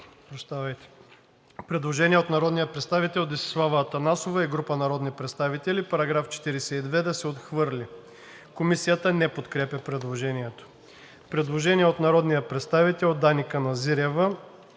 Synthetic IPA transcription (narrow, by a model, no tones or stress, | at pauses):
pɾɐʃt̪avɐjt̪ɛ̥ | pɾɛd̪lˠoʒɛniɛot̪nɐɾɔd̪nijɐpɾɛt̪st̪avit̪ɛlˠd̪isslˠavɐːt̪ɐnasovɐiɡɾupənɐɾɔd̪nipɾɛt̪st̪avit̪ɛlʲipɐɾɐɡɾaft͡ʃɛ̥t̪iɾɛsɛid̪vɛd̪ɐsɛot̪xvɤɾlʲi | komisijət̪ənɛpot̪kɾɛpʲɐpɾɛd̪lˠoʒɛniɛt̪o̥ | pɾɛd̪lˠoʒɛniɛot̪nɐɾɔd̪nijɐpɾɛt̪st̪avit̪ɛlˠod̪anikənɐziɾɛvə